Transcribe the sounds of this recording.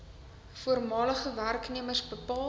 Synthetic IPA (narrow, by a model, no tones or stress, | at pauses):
fuərmɑːləχəværkniəmərsbəpɑː